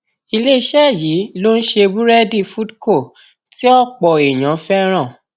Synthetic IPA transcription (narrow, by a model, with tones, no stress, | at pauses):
i˧le˦i˧ʃɛ˦˨ji˨˦lo˦n̩˦ʃe˧bu˦ɾɛ˦di˦˨fu˦dko˦˨ | ti˦ɔ˦˨k͡pɔ˨e˨j̃ã˨˦fɛ˦ɾ̃ã˦˨